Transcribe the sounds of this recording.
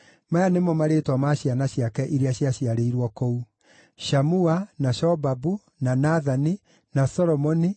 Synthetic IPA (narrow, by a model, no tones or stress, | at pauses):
majanemɔmaɾeːtwɔmaɕianaɕiakɛʔiɾeaɕiaɕiaɾeiɾwɔkou | ʃamuanaʃɔbabu | nanaðani | nasɔɾɔmɔni